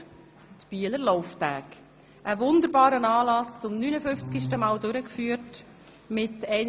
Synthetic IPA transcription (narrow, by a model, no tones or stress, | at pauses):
tb̥iələɾlɔʊftæːk | ʔəvʊnd̪əɾbɑːɾənɑːlɑst͡sʊmnyːnəfʏnft͡skiʃtəmɑːldøɾəkfyːəɾt | mɪtɛɪn